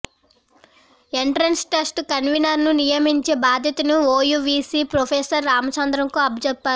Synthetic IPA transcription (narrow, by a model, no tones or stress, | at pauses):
eɳʈɾɐnsʈɐsʈkɐnʋinɐɾnunijɐmiɲt͡ʃe̞ːbaːd̪ʱjɐt̪ɐnuoːjuʋiːsiːpɾopʰeːsɐɾːaːmɐsɐnd̪ɾɐŋkuɐbʱd͡ʒɛpːaːɾu